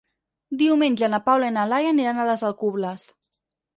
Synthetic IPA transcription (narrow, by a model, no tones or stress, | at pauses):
d̪iwmeɲʲʒanapawlainalajaniɾanaləzalˠkuβləs